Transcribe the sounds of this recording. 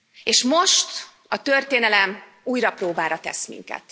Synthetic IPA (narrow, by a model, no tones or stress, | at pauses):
eːʃmo̞ʃt̪ | ɒt̪ørt̪eːnɛlɛm | uːjrɒproːbaːɾɒt̪ɛ̰smḭŋkɛ̰t̪